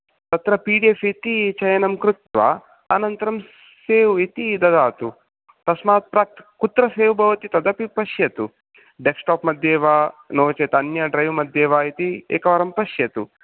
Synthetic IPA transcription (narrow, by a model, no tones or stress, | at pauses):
t̪ɐt̪ɾɐpiːɖiefit̪it͡ʃɐjɐnɐmkɾut̪ʋa̰ | ɐnɐnt̪ɐɾɐm | seːʋuit̪id̪ɐd̪aːt̪u | t̪ɐsmaːt̪̚pɾaːk̚t̪kut̪ɾɐseːʋbʱɐʋɐt̪it̪ɐd̪ɐpipɐʃjɐt̪u | ɖeksʈaːpmɐd̪ʱjeːʋaːnoːt͡ʃeːt̪ɐnjɐɖɾɐjʋmɐd̪ʱjeːʋaːit̪iḛːkɐʋɐɾɐmpɐʃjɐt̪u